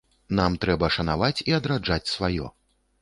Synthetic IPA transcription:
namt̪ɾɛbɐʂɐnavat͡sʲiɐd̪ɾad͡ʐat͡sʲsvajɔ̰

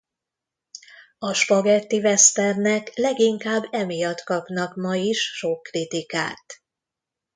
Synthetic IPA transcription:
ɒʃpɒɡɛt̪ːivɛst̪ɛrnɛklɛɡiŋkaːbːɛmijɒt̪kɒpnɒkmɒjiʃʃokːrit̪ikaːt̪

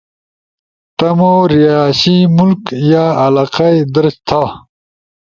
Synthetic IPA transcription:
t̪ɐmoɾijaːɕimulkjaːɐlaːqajd̪əɾɕt̪ʰa

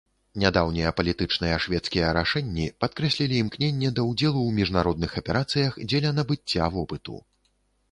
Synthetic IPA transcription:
nʲad̪awnʲijɐpɐlʲit̪ɨt͡ʂnɨjɐʂvʲɛt̪skʲijɐɾaʂɛnʲːipat̪̚kɾɛsʲlʲilʲiːmknʲenʲːɛd̪ɐwd͡zʲɛlˠuwmʲiʐnaɾɔd̪nɨxɐpʲɛɾat̪sɨjɐxd͡zʲɛlʲɐnɐbɨt͡sʲːavɔpɨt̪ṵ

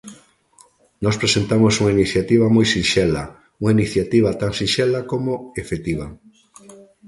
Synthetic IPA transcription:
nɔspɾesent̪amosuŋainiθjat̪iβ̞amojsĩnʃɛla | uŋainiθjat̪iβat̪aŋsĩnʃɛlakomoefet̪iβa

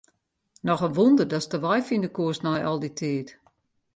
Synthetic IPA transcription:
nɔxənʋundərdɔstəʋɔjfindəkuəsnɛjʔɔlˠditʰiːt

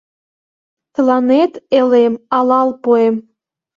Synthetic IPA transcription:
t̪əlɑnet̪elemɑlɑlpoem

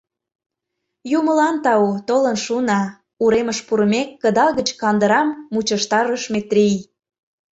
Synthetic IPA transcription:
juməlɑnt̪ɑut̪olənʃunɑ | uɾeməʃpuɾəmekːə̆d̪ɑɣət͡ɕkɑnd̪əɾɑmːut͡ɕəʃt̪ɑɾəʃmet̪rʲij

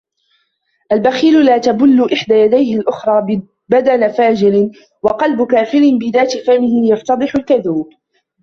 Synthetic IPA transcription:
ʔalbaxiːlʊlaːt̪abʊlːʊʔɪħd̪aːjad̪ajhɪlʔʊxɾˤɑː | bad̪alafaːd͡ʒɪɾɪn | wɑqɑlbʊkaːfɪɾɪnbɪðaːt̪ɪfamɪhɪjɑft̪ɑd̪ˤɨħʊlkaðuːb

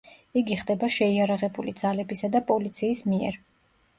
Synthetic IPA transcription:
iɡiχd̪ɛbaʃɛiaɾaʁɛbulid̪zalɛbisad̪apʼɔlit̪sʰiːsmiɛ̰ɾ

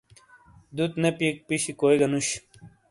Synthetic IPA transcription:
d̪ut̪nepiek̚piɕikoeɡɐnuɕ

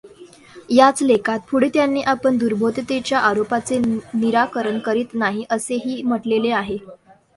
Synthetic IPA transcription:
jat͡slekʰat̪fʰuɽit̪janːiːʔapəɳd̪uɾbʱot̪t̪et͡ɕjaʔaɾopat͡seniɾakəɾəɳkəɾiːt̪naɦiʔəseɦiːm̤əʈleleaɦe

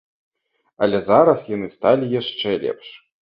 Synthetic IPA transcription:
ɐ̰lʲɛzaɾɐsjanɨst̪alʲijaʂt͡ʂɛlʲɛ̰pʂ

